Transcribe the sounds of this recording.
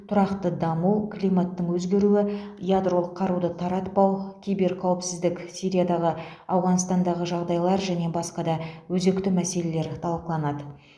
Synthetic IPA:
t̪ʰʊɾɑqt̪əd̪ɑmuwkʰlʲijmat̪ːəɴwɵzɡʲe̞ɾuwɪjad̪ro̞lˠəqʰːɑɾud̪ət̪ʰɑɾɑt̪pɑwkʲʰijbe̞ɾkʲʰæwɪpsɪzd̪ɪksijɾijad̪ɑʁə | ɑwʁɑnst̪ɑnd̪ɑʁəʒɑʁd̪ɑjlˠɑɾʒæne̞bɑsqɑd̪ɑwɵze̞kt̪ɪmæse̞le̞le̞ɾt̪ʰɑlˠqəlˠɑnɑd̪ə

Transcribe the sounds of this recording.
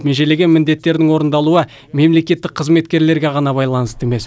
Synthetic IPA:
meʒele̞ɡʲe̞nmɪnd̪e̞t̪ːe̞ɾd̪ɪŋwo̞ɾənd̪ɑlˠuə | me̞mle̞kʲe̞t̪ːɪk̚qʰəzme̞t̪kʲe̞ɾle̞ɾɡʲe̞ʁɑnɑbɑjlˠɑnəst̪əeme̞s

